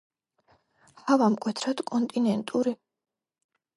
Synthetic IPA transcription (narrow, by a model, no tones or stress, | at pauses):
havamkʼwɛt̪ʰɾad̪kʼɔnt̪ʼinɛnt̪ʼuɾi